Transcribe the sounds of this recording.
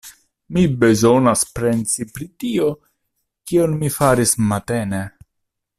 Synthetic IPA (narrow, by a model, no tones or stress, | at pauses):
mibe̞zo̞naspɾe̞nt͡sipɾitio̞ | kio̞nmifaɾismate̞ne